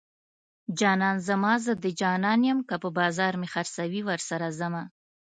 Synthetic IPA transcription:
d͡ʒɑnɑnzəmɑzəd̪əd͡ʒɑnɑnjəmkapəbɑzɑɾmexaɾsawiwəɾsaɾazama

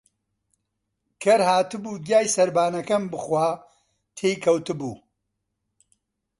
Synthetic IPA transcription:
kʰɐɾhaːt̪ɨbuːd̪jaːjsɐɾbaːnɐkɐmbɨxwaː | t̪ʰeːjkʰɐwt̪ɨbuː

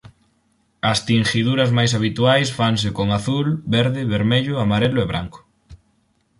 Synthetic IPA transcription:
ɐst̪iŋʃiðuɾɐzmajs̬aβ̞it̪uajsfaŋs̬ɪkoŋaθulbeɾðɪβeɾmeʎʊamaɾelʊeβɾa̰ŋkʊ̥

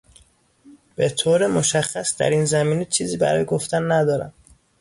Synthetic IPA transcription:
b̥et̪ʰoːɾemoʃæxːæsd̪æ̰ɾiːnzæmiːnet͡ʃʰiːziːbæ̰ɾɒ̰ːjeɡo̞ft̪ænːæd̪ɒːɾæ̰m

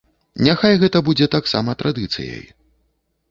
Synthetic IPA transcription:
nʲaxajɣɛt̪ɐbud͡zʲɛt̪aksa̰mɐt̪ɾʔad̪ɨt̪sɨ̰jɐ̰j

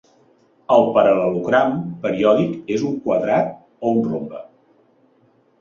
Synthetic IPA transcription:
əlˠpəɾələluɣɾampəɾiɔðikezuŋkwəðɾat̪̚ | ounrombə

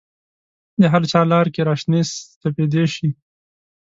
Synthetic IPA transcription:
d̪əɦaɾt͡ʃɑlɑɾkeɾɑʃnest̪aped̪eʃi

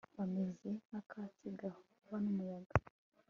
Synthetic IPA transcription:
βameziakʰasiɡahouβanumujaɡa

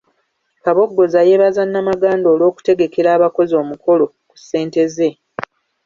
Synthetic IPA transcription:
kaβo̞ɡːo̞zaje̞βazanːamaɡaːndo̞ːlo̞ːku̥te̞ɡe̞ke̞ɾaːβako̞zo̞ːmuko̞lo̞ | ku̥sːe̞ːnte̞ze̞

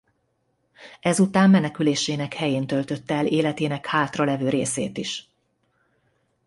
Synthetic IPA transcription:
ɛzut̪aːmːɛnɛkyleːʃeːnɛkhɛjeːnt̪ø̞lt̪ø̞t̪ːɛleːlɛt̪eːnɛkhaːt̪rɒlɛvøːɾḛːsḛːt̪iʃ

